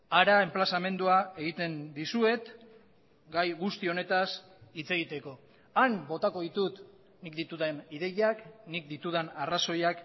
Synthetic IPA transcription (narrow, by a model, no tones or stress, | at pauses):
aɾae̞mplasame̞nd̪uae̞ɣit̪e̞nd̪isue̞t̪ | ɡajɣust̪io̞ne̞t̪as | it͡se̞ɣ̞it̪e̞ko̞ | ambo̞t̪ako̞ðit̪ut̪ | nikd̪it̪uðeniðe̞jaknik̚d̪it̪uð̞anaraso̞jak